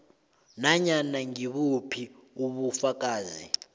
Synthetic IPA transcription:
naɲanaŋiɓupʰiuɓufak̬ʼaːzḭ

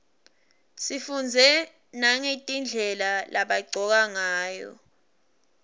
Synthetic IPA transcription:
sifund͡zʱɛ | naŋetʼind͡ɮʱɛlalʔaɓaɡ͡ǀʱɔk̬aŋaːjɔ̰

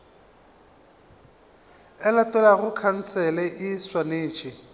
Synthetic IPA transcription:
ɛlatʼɛlaɣʊkʰan̩t͡sʰɛlɛʔɪswaneːt͡ʃʼɪ

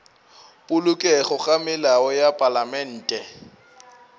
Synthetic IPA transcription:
pʼʊlʊkʼɛχʊχʼamɪlaɔjapʼalamɛn̩ːtʼɛ

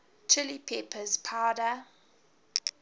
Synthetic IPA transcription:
t͡ʃʰɪlipʰepʰəzpʰaʊdə

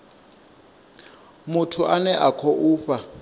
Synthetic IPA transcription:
mutʰuʔanɛʔakʰɔʔuːɸa

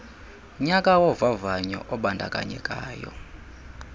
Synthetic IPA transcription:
ɲakʼawɔvavaɲɔ̰ʔɔɓandʱakʼa̰ɲɛ̰kʼaːjɔ̰

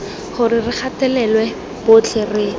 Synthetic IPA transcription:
χʊrirɪk͡xʰatɛlɛlwɛ | b̥ot͡ɬʰɛrɪ

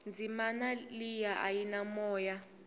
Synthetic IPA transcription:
nd͡zʱimanalijaʔajinamɔːja

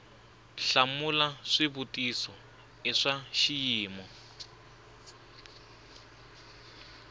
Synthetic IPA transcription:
ɬamulaʂɪbutʼisɔ | ɪʂaʃijiːmɔ

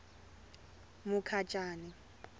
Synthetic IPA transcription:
mʊkʰat͡ʃʼaːnɪ

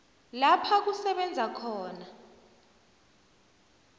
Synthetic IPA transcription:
lapʰak̬usɛɓɛnd͡zʱakʰɔːna

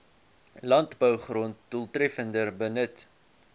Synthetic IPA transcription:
lɐntbəwχront̚d̥ulˠtrɛfəndərbənət

